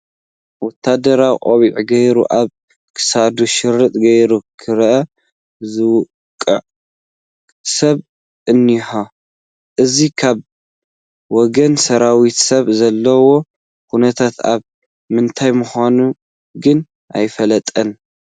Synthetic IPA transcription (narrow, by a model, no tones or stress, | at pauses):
wɔt̪ʰːad̪ɐɾawiʔʼoβiʕɡɐjɾṵʔaβ | kʰɨ̥sad̪uʃɨɾːɨt̪ʼɡɐjɾukʰɨɾʔɐ | zɨw | kʼːɨʕ | sɐβ | ʔɨnːiħo | ʔɨzikʰaβ | wɔɡɐnsɐɾawit̪sɐβzɐlːɐwo̞ | kunɐt̪ʰat̪a̰β | mɨnt̪ʰajmʊxanu | ɡɨn | ʔa̰jfɐlɐt̪ʼɐn